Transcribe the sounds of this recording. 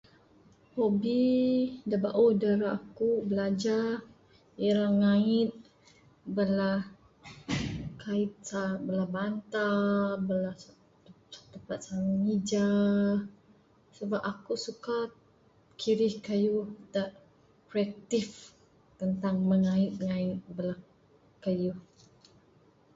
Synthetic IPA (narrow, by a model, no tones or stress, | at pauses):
hobidabaʔuhdəɾaʔakubəlad͡ʒa | iɾaŋaɪt̪̚ | bəlah | kait̪̚sabəlahbant̪abəlah | t̪əpat̪̚saŋŋid͡ʒa | səbapakusuka | kʰiɾɪhkəjudaʔ | kɾiak̚t̪if | t̪ənt̪aŋməŋaɪt̪̚ŋaɪt̪̚bəlah | kəjuh